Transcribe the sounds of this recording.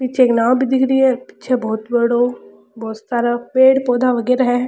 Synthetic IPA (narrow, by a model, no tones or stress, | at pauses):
pɪt͡ʃʰeːknãːwbʱid̪ɪkɾiɛːpɪ̥t͡ʃʰebɔːt̪bəɽoː | bɔːt̪saːɾapeːɽpɔːd̪aʋəɡɛːɾaɦɛː